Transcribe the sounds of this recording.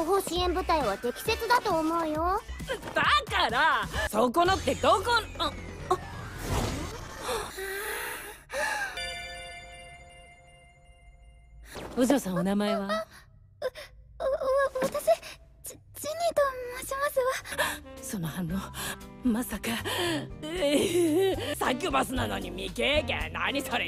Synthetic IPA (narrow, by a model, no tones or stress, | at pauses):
oɦoɕiẽ̞mbɯ̟t̪aiβat̪e̞kʲi̥se̞t͡sɨd̪at̪o̞ːmo̞ɯjo̞d̪̥akaɾasoːkonot̪ːe̞d̪oko | oʑoːsãɰ̃onamaeβa | βat̪aɕi | t͡ɕiɲit̪ommaɕimasɨβasonohãnːomasaka | sak̬ʲːobasɨnano̞ɲ̟imʲikekḛ̃na̰ɲ̟isoɾe